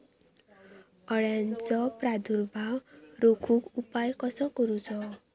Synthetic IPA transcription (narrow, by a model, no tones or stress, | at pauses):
ʌɽant͡sʌprad̪uɾbʱawɾokʰukupajkʌsʌkɔɾut͡sʰʌ